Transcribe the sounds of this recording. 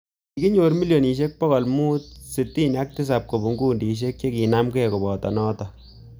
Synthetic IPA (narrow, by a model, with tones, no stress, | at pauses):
ki˦ɲo˨ɾmi˦ljo˨ni˨ʃ̬e˦k̚pɔ˦ɣɔ˨lmuː˦t̚si˨ti˦na˦k̚tɪ˦s̬a˨p̚ko˨bu˨ŋɡuː˦ndi˨ʃ̬e˦k̚t͡ʃe˦ki˨na˦mkɛ˦ko˨bɔ˨tɔ̰nɔː˦tɔ˨